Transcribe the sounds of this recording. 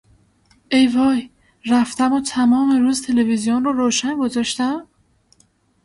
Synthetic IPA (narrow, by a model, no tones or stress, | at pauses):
ʔe̞jvɒːj | ræft̪æmot̪ʰæmɒːmeɾuːzt̪ʰe̞levizijonrɔːɾoːʃænɡo̞zɒːʃt̪æm